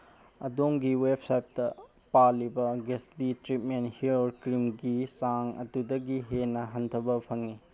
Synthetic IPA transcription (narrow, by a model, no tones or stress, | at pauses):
ɐdoŋɡiwep̚sajp̚tɐ | palibɐɡesbitɾit̚menhioɾkɾimɡisaŋɐ̰tudɐɡiɦenɐɦɐntʰɐbɐpʰɐŋːi